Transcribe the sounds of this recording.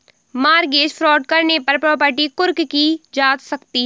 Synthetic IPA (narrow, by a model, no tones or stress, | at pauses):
maːɾɡeːd͡ʒfʰɾɔːɖ̚kəɾnepɐɾpɾɔːpəɾʈikʊɾkkid͡ʒaːt̪səkt̪i